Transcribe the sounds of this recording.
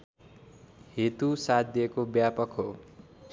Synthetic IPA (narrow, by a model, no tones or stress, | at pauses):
het̪usat̪̚d̪iekobjapʌkɦo